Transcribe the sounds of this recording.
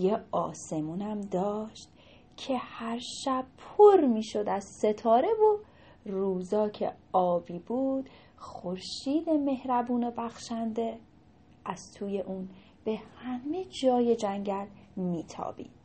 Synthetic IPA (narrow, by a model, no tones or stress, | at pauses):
jeɒːse̞munæmd̪ɒːʃt̪ | cʰe̞hæɾʃæb̥̚pʰoɾmiːʃo̞d̪æz̥se̞t̪ʰɒːɾe̞vo | ruːzɒːcʰḛɒːbiːbuːd̪̥ | xoɾʃiːd̪e̞me̞hɾæbuːnobæxʃænd̪e̞ | æz̥t̪ʰuːje̞ʔun | b̥e̞hæme̞d͡ʒɒːje̞d͡ʒæŋɟælmiːt̪ʰɒ̰ːb̥ḭːd̪